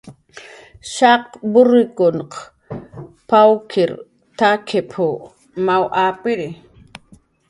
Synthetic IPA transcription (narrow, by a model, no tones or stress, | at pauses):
ʃɑqbʊɾɪkʊnq | pawkʰɪɾ | t̪akʰepʰʊ | mawʔaːpɪɾɪ